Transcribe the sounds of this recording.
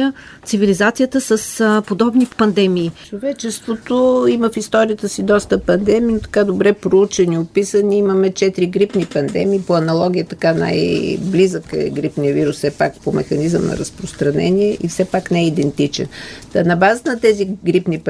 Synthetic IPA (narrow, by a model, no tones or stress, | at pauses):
ə | t̪sivilizat̪sʲijət̪əsəspod̪ɔbnipɐnd̪ɛmiːt͡ʃovɛt͡ʃɛst̪vot̪oiməfist̪ɔɾijət̪əsid̪ɔst̪əpɐnd̪ɛmiːnot̪ɐ̥kad̪obɾɛpɾout͡ʃɛniopisəniiməmɛt͡ʃɛt̪iɾiɡɾipnipɐnd̪ɛ̰miːpoɐnɐlˠɔɡ̟ʲijət̪ɐkana̰jblizəkɛ̰ɡɾipnijəviɾussɛpak̚pomɛ̰xɐnizə̰mnɐ̰ɾɐspɾost̪ɾɐnɛ̰niɛʔifsɛpaknɛɛid̪ɛnt̪it͡ʃɛ̰nt̪ənɐbazət̪nət̪ɛziɡɾipnip